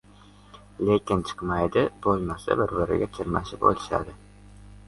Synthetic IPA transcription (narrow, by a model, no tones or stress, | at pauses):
lekʲɪnt͡ʃʰɨ̥qmajd̪ɪbolˠmasa̰bɪɾbɪɾɪ̰ɡʲat͡ʃʰɪɾma̰ʃɪpo̰lˠɪʃa̰d̪ɪ